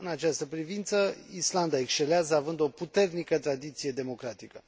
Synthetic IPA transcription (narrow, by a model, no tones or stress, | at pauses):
ɨnat͡ʃast̪əpɾivint̪səisland̪aekst͡ʃe̞leazəavɨnd̪o̞put̪e̞rnikət̪ɾad̪it̪sije̞d̪e̞mo̞kɾat̪ikə